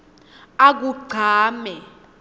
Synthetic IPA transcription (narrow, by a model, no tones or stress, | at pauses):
ak̬uɡ͡ǀʱaːmɛ